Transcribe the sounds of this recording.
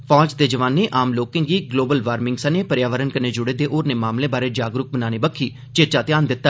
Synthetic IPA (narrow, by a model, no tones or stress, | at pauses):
pʰɔːd͡ʒd̪eːd͡ʒəʋaːnːeːʔʔaːmloːkɪ̃ːŋɡiːɡloːbəlʋaːɾmɪ̃ŋɡsəneːpəɾjaːʋəɾənkəneːd͡ʒʊɽeːd̪eːʔoːɾneːmaːmleːbaːɾeːd͡ʒaːɡɾʊk̚bənaːneːbəkʰːiː | t͡ʃet͡ʃaːt̪ɪjaːnd̪ɪt̪ːaː